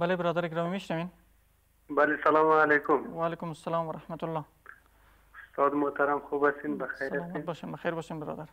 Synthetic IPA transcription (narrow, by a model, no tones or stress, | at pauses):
balebɪɾɑːd̪aɾeɡɾɑːmimiʃnɐwen | balesɐlɑmalekʊmwaːlekʊmʊsːɐlɑːmwɐɾɐhmat̪ʊlːɑ | ʊst̪ɑd̪mʊht̪aɾamxubasinbɐxajɾalaːmaeboʃenbɐxajɾboːʃenbɪɾɑ̰ːd̪aɾ